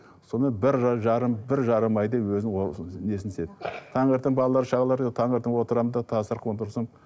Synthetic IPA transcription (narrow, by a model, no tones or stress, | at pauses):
so̞nmenbɪɾʒɑɾəmbɪɾʒɑɾəmɑjd̪epwɵzɪnne̞sɪnest̪e̞d̪ɪt̪ʰɑɴeɾt̪ːɪŋbɑlˠɑlˠɑɾəʃɑʁɑlˠɑɾt̪ʰɑŋeɾt̪əŋwo̞t̪əɾɑmənd̪ɑt̪ʰɑsəɾqʰəənt̪ʰʊɾsɑm